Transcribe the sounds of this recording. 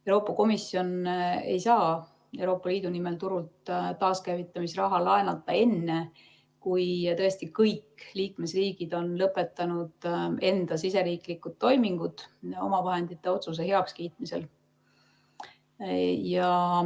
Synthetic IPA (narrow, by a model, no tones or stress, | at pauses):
ewɾo̞ːpˑːɑko̞misːjo̞ne̞jsɑː | e̞wɾo̞ːpːˑɑliːd̪̥unime̞lt̪uɾult̪t̪ːɑːskæjvit̪ːˑɑmisrɑɦɑlɑenɑt̪ːˑɑe̞nːe̞ | kujt̪ɤ̞e̞st̪ikɤjkliːkme̞sriːɡ̥id̪̥o̞nlɤpːˑe̞t̪ːˑɑnud̪̥e̞nd̪̥ɑsise̞ɾiːklikːˑud̪̥t̪ːo̞jmiŋɡ̥ud̪̥o̞̰mɑvɑɦe̞nd̪̥it̪ˑːe̞o̞t̪sus̬e̞ɦe̞ɑkskijt̪̚mise̞l | jɑ